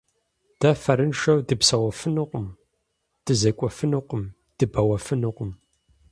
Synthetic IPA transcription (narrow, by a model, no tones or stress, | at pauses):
d̥ɐfɐɾɨnʃɐwdɨpsɐwɐfɨnɨqʷʊm | d̥ɨzɐkʷʼɔfɨnuqʷʊm | d̥ɨbɐwɐfɨnɨqʷʊm